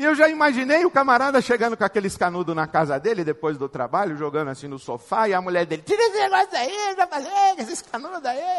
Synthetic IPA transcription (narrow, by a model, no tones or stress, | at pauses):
ɪewʒaimaʒinejʊkamaɾad̪ɐʃeɡɐ̃nd̪ʊkõakelɪɪskanud̪ʊnɐkazɐd̪elɪd̪epojzd̪ʊt̪ɾa̰baʎʊʒoɡɐ̃d̪ʊasĩd̪ʊsofaiɐmuʎɛɾd̪elɪt̪iɾesɪneɡɔsʊd̪aiʒafalekesɪɪskanud̪d̪ai